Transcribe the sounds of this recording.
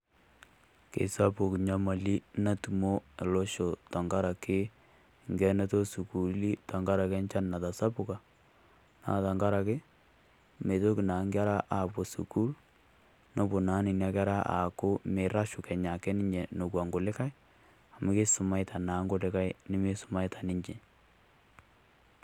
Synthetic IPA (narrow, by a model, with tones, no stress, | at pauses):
kḛ˨sa˦pu˨kɲa˦ma˨li˦na˦tu˨mo˦e˨lɔ˦ʃo˨ta˨ŋɡa˦ɾa˨kɪ˦ | ŋɡɛ˨ne˦to˦su˨ku˨li˦ta˨ŋɡa˦ɾa˨kɛ˦nt͡ʃa˦nna˨ta˨sa˦pʊ˦˨ka˨ | na̰˨ta˨ŋɡa˦ɾa˨kɪ˦ | me˨to˦kɪ˨na˨˦ŋɡa˦ɾa˦ʔa˨pɔ˨sṵ˨ku˦l | no˦bo˨na˨˦nɪ˨nja˦ka˦ɾa˦ʔa̰˨kʊ˦me˨ɾa˦ʃʊ˨kɛ˨ɲa˨kɛ˦nɪ˦ɲd͡ʒɛ˨no˨kwa˨ŋɡo˨lɪ˦ka˦j | a˨mʊ˦kɪ˦sʊ˨ma˦ɪta˨naː˨˦ŋɡʊ˨lɪ˦ka˦jnɪ˦mɪ˦sʊ̥˦ma˦ɪtʰa˨nɪ˦ɲd͡ʒe˨